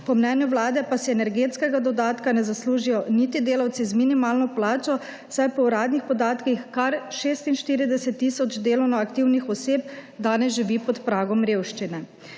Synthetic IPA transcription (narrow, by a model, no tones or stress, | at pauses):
pɔmnɛːnjuʋlaːd̪ɛpasɛɛnɛɾɡeːt̪skɛɡad̪ɔd̪aːt̪kanɛzasluːʒijɔniːt̪id̪eːlawt̪sizminimaːlnɔplaːt͡ʃɔ | sajpɔuɾaːd̪nixpɔd̪aːt̪kixkaɾʃeːst̪inʃt̪iːɾid̪ɛsɛt̪ːiːsɔd͡ʒd̪eːlɔwnɔakt̪iːwnixɔseːp̚d̪aːnɛzʒiʋipɔt̪pɾaːɡɔmɾeːwʃt͡ʃinɛ